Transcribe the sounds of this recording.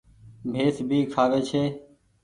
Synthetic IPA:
bʱeːsbʱiːkʰaːʋeːt͡ʃʰeː

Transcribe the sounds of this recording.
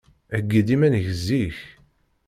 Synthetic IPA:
æɡːid̪imænʝəzːiç

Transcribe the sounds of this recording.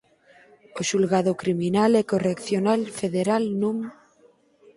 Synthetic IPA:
oʃulɣað̞okɾiminalekorekθjonalfeðeɾalnum

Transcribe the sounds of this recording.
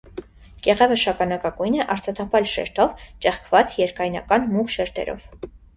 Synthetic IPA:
kɛʁɛvəʃɑkɑnɑkɑkujnɛʔɑɾt͡sʰɑt̪ʰɑpʰɑlʃɛ̰ɾt̪ʰɔvt͡ʃɛχkʰvɑt͡sjɛɾkɑjnɑ̰kɑnmukʃɛɾt̪ʰɛ̰ɾʔɔ̰v̥

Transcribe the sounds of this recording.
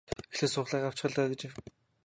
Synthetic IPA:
exɮeːsʊːχɮæːqaw̥t͡ɕɪ̆χə̆ɮt̪aːɡĕt͡ɕɪw

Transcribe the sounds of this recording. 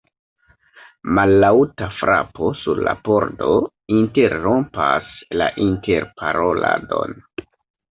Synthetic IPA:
malːawtafɾʔa̰po̞suɾlapo̞ɾdo̞ | inte̞ɾːo̞mpaslaʔinte̞ɾpʰaɾo̞lado̞n

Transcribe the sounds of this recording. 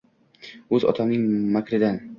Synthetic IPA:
ɵzɒ̰t̪ʰamnɪŋmakʲʰɾɪd̪an

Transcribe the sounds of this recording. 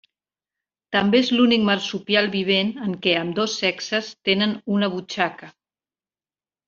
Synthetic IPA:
t̪əmbeezlunik̚məɾsupjalˠβiβ̞enəŋkɛəmd̪osːɛksəst̪enənunəβ̞ut͡ʃakə

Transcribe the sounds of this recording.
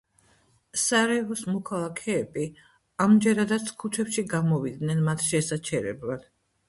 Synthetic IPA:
saɾɛvɔsmɔkʰalˠakʰɛːbi | amd͡ʒɛɾad̪at̪sʰkʰut͡ʃʰɛpʃiɡamɔvid̪nɛnmat̪ʰʃɛsat͡ʃʰɛɾɛ̰blˠad̪̥

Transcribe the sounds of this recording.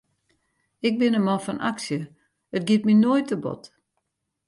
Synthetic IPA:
ɪk̚bɪnəmɔfɔnʔa̰ksjə | ət̚ɡɪtminojtəbɔ̰t

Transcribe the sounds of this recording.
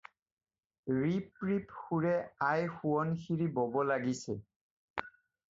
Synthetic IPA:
ɹipɹipxuɹɛajxuɔnxiɹibɔbɔlaɡisɛ

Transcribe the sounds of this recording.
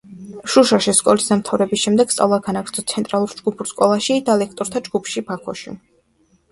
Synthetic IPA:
ʃuʃaʃiskʼɔlisd̪amt̪ʰavɾɛbisʃɛmd̪ɛɡ̥t̪sʼa̰lˠaɡanaɡɾt̪ʰɔt̪sʰɛnt̪ʼɾalˠuɾd͡ʒɡupʰuɾskʼɔlˠaʃid̪̥alɛkʰt̪ʼɔɾt̪ʰad͡ʒɡupʰʃibakʰɔ̰ʃḭ

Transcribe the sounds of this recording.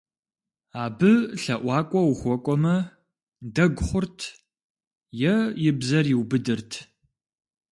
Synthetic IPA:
aːbɨɬɐʔʷɑːkʷʼɔwxʷɔkʷʼɔmɐ | dɐɡʷχʷʊrtʰ | jɛjɪbzɐrjɪwbɨdɨrtʰ

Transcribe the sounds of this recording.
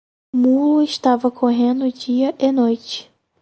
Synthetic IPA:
mulʊɪʃt̪avɐkʰoɦẽnd̪ʊd͡ʒiɐʔenojt͡ʃɪ̥

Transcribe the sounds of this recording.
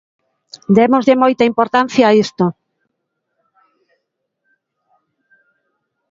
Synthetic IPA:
d̪emozðɪmojt̪aimpoɾt̪an̟θjaːist̪o

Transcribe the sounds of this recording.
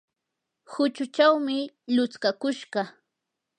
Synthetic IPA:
hʊt͡ʃʊt͡ʃawmɪ | lʊt͡skakʊʃɢɑ

